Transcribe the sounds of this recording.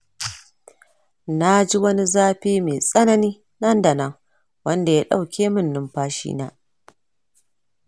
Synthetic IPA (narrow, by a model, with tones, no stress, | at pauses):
na˦d͡ʒi˦wɐ˦ni˦zaː˦ɸiː˦me˨sʼɐ˦nɐ˦niː˦ | nɐ˦ndɐ˨nɐ˦ŋ | wɐ˦nda˨jaː˦ɗa̰˦˨wkʲʰeː˦mɪ˦˨nːɪ˦mɸaː˦ʃḭ˦na̰ː˦